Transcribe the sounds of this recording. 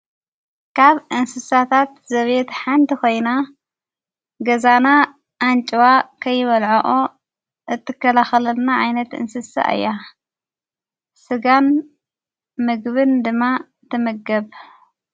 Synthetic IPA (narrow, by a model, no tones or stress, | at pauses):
kʰaβʔɨnsɨsat̪ʰat̪zɐβet̪ħant̪ʰiko̞jna | ɡɐzana | ʔːnt͡ʃʼɨwakʰɐjːɪβɐlʕoʔo | ʔɨt̪ʰːɨkːɐlaxɐlɐlnaʕajnɐt̪ʔɨ̰nsɨsa̰ʔɨ̰jːa | sɨɡan | mɨɡβɨnd̪ɨmːa | t̪ʰːɨmɨɡːɐβ